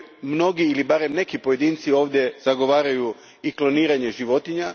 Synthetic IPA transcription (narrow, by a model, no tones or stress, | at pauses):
mno̞ɡiilibaɾe̞mne̞kipo̞je̞d̪iːnt̪sio̞ːʋd̪je̞z̥aɡo̞ʋaːɾaju | iklo̞niːɾaɲe̞ʒiʋo̞t̪iɲa